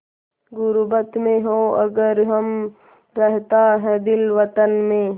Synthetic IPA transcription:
ɡʊɾbət̪mẽɦoɐɡəɾɦɐm | ɾɛɦt̪aɦɛd̪ɪlʋət̪ənmẽ

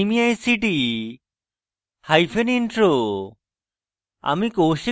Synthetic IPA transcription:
imiajsiʈi | hajpʰeniɳʈɾo | a̰mikowʃi

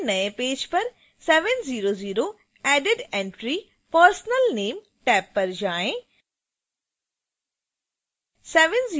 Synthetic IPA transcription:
nɐjẽpeːd͡ʒpɐɾ | sɛːʋənziːɾoːziːɾo | ɛːɖɪɖẽɳʈɾi | pəɾsnəlneːm | ʈɛːpːɐɾd͡ʒaːẽ | sɛːʋənziː

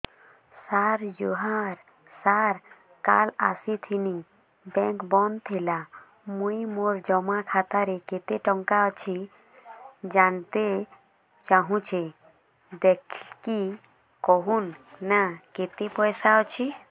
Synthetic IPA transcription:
saɾjuɦaɾ | saɾ | kala̰sit̪ʰini | bɛ̃ŋkbɔnt̪ʰela | mujmoɾd͡ʒɔmakʰat̪aɾeket̪eʈɔŋkaɔt͡ʃʰi | d͡ʒant̪e | t͡ʃaɦũt͡ʃʰe | d̪ekʰki | kɔɦunːaket̪epɔjsaɔt͡ʃʰi

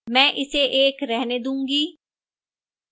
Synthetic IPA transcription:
mɛ̃ːʔɪseʔeːkɾɛɦneːd̪ũːŋɡiː

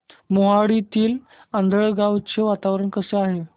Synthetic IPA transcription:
moɦaɽit̪iːl | ənd̪ʱəɭɡaʋt͡ɕeʋat̪aʋɾəɳkəseaɦe

